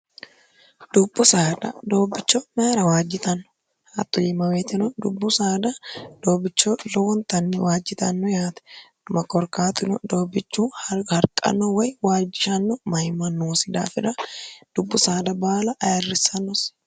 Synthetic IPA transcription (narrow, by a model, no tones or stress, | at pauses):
d̪̥ʊbːʊsad̪ɐ̰d̪o̞ːbːɪt͡ʃːɔmɐɾɐwaːd͡ʒɪt̪ɐnːɔ̥ | hat̪ːɔjɪmɐweːt̪ɪnɔd̪ʊbːʊsaːd̪ɐd̪̥o̞ːbɪt͡ʃːɔlɔwɔnt̪ɐnːɛwaːd͡ʒːɪt̪ɐnːɔjaːt̪ɐ̥d̪̥ʊmɐkɔɾkaːt̪ɪnɔd̪o̞ːbɪt͡ʃːuːhhɐɾkʼɐ̰nːɔwɐjwaːd͡ʒːɪʃɐnːɔmɐjmɐnːoːsɪd̪a̰ːfɪᶑɐd̪̥ʊbːʊsaːd̪ɐbaːlɐʔɐjɐrːɪsɐnːɔs